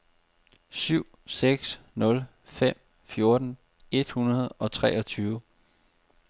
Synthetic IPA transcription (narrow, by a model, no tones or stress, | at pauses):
syʊ̰ | seɡ̥snɔ̽l | fem̰ | fjo̝ɐd̥n̩ | e̝d̥hunɐð̞̩ˠɒ̽t͡sʰʁɛ̰ːʔɒ̽t͡sʰyːʋʊ